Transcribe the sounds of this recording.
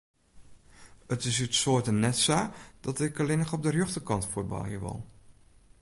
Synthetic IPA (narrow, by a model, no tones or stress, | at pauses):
ətɪs̬ytsoːtənɛtsaːd̥ɔtɪkəlɪnəχɔb̚dərjøχtəkɑntfubɑ̰lˠɦḭəʋɔ̰lˠ